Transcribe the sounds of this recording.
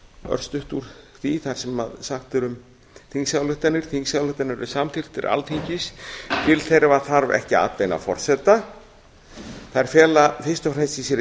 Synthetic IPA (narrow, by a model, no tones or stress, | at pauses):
œ̰ɾ̥st̪ʏht̪uɾ̥θiθaɾ̥sɛmːa̰ðsaxt̪ʏɾʏm | θiŋksjawlʏht̪anɪɾ̥θiŋksjawlʏht̪anʏɾɪ̥samt̪ʰɪr̥t̪ɪ̰ɾʔa̰lt̪ʰiɲcɪst̪ʰɪlθejɾvaθaɾvɛ̰hcɪa̰t̪lejna̰fɔ̰r̥sɛt̪a | θaɛɾ̥fjɛːlafɪr̥st̪ɔfɾɛnst̪isjɛɾ